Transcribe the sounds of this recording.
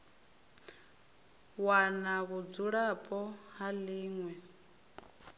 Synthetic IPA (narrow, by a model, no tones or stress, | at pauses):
wanaβud͡zuɺapʼɔɦaliːŋwɛ